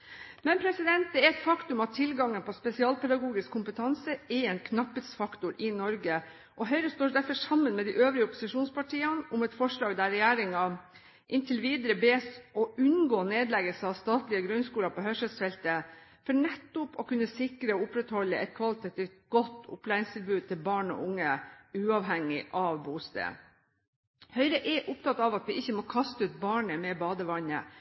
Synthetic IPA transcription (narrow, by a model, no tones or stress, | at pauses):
mɛnpʰɾɛsɪd̪ɛnt̪̚d̪ɛɛɾɛt̪fɑkt̪ʉmɑt̪ʰːɪlɡɑŋːənpʰɔspɛsɪɑːlpɛd̪ɑɡuːɡɪskʰːʊmpət̪ʰɑnsəɛɛnkʰnɑpːət̪sfɑkt̪ʊɾʔɪnɔɾɡə | ʔɔɦœʏɾəst̪oːɖ̪æɾfɔʂɑmːənmɛd̪ɪʔøːʋɾɪəɔpʊsɪʂuːnspɑʈʰiːɑnʊmɛt̪fɔʂlɑːɡd̪æɾɛjæːɾɪŋɑ | ʔɪnt̪ʰɪlʋiːd̪əɾəbeːsɔʉnɡoːneːd̪lɛɡəlsəɑʋst̪ɑːt̪lɪəɡɾʉnskuːlɑpɔhœʂəlsfɛlt̪ə | fɔɳɛt̪ːʊpɔkʉnːəsɪkɾəɔʊpɾɛt̪hɔlːəʔɛt̪̚kʰʋɑlɪt̪ʰɑt̪ʰiːft̪̚ɡɔt̪ʰːʊ̰plæːɾɪŋst̪ʰɪlbʉːd̪̚t̪ɪlbɑːɳɔ̰ʔʊŋːəʉːɑʋɦɛŋɪʔɑʋbuːst̪ḛ | hœʏɾəʔɛʔʊpt̪ʰɑt̪ɑʋɑt̪ʋɪʔɪçːəmɔkʰɑst̪əʉːt̪̚bɑːɳəmɛbɑːd̪əʋɑnə̰